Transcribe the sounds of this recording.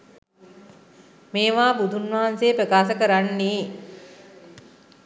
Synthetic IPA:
meːʋaːbud̪ʱunʋaɦanseːpɾəkaːsəkəɾanːiː

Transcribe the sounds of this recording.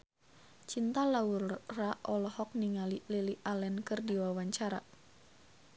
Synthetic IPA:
t͡ʃint̪alaurraʔɔlɔhɔk̚niŋalililiʔalɛnkɨrdiwawaɲt͡ʃaɾa̰

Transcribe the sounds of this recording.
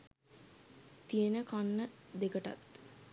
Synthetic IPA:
t̪ijenəkanːəd̪ekəʈa̰t̪

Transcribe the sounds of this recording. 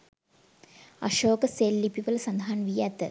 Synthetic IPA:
ɐ̰ʃoːkəseːlːipiʋəlsɐnd̪ʱɐɦanʋijɛt̪ə

